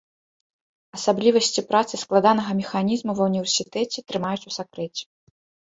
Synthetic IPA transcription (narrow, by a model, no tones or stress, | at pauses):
ɐsablʲivɐsʲt͡sʲipɾat̪sɨsklˠad̪an̪ɐɣɐmʲɛxanʲizmuvɐwnʲivʲɛrsʲit̪ɛt͡sʲɛt̪ɾɨmajut͡sʲu̥sakɾɛt͡sʲɛ̥